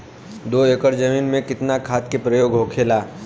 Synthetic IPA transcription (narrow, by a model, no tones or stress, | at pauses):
d̪oːekəɾd͡ʒɐmiːnmẽkɪt̪nakʰaːt̪̚kepɾɐjoːɡɦoːkʰeːlaː